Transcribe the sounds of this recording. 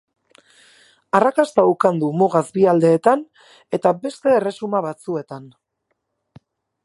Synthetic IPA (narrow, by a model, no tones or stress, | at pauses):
arakast̪aukand̪umoɣazbiald̪e̞ːt̪an | e̞t̪abe̞st̪e̞ːre̞sumaβat͡sue̞t̪an